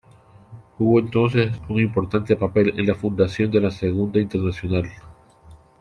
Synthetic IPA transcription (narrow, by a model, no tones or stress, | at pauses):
uβo̞e̞nt̪o̞ns̬e̞sunimpo̞ɾt̪ant̪e̞pape̞le̞̰nlafund̪asjo̞nd̪elaseɣund̪aint̪e̞ɾnasjonal